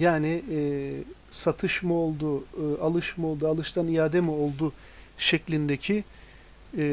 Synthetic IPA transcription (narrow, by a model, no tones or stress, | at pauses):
jaːnɪ | sat̪ʰɯʃmɯolˠd̪ʊalˠɯʃmɯo̞lˠd̪ualˠɯʃt̪anijaːd̪emio̞lˠd̪u | ʃɛclʲind̪ecʰi